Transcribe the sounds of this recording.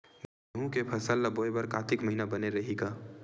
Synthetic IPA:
m | ɦũkepʰɐsəlːaboebɐɾkaːt̪ɪkməɦinabəneɾɐɦiɡaː

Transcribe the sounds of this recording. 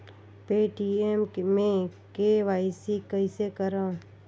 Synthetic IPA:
peːʈiemmẽ | keʋaːɪsikəisekəɾãː

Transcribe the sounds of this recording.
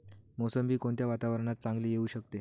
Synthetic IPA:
mosəmbʱiːkoɳt̪jaʋat̪aʋəɾəɳ̃at̪̚t͡sãŋɡliːjeuːɕəkt̪e

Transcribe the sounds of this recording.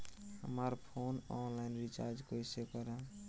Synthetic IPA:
ɦə̰məɾpʰonɔnlainɾit͡ʃa̰ɾd͡ʒkojsekəɾə̃

